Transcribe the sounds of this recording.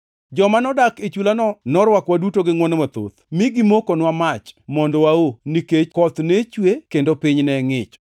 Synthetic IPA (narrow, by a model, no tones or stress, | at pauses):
d͡ʒɔmanɔdaket͡ʃulanɔnɔɾwakwadutoɡɪŋwɔnɛmat̪o̰t̪miɡɪmokonwamat͡ʃmɔndɔwaoniket͡ʃkɔt̪net͡ʃwekendopɪɲnɛŋɪt͡ʃ